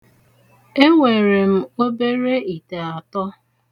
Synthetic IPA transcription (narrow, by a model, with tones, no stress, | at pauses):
e˦ŋʷe˨ɾe˨m̩˦o˦be˦ɾe˦i˨te˨a˨tɔ˦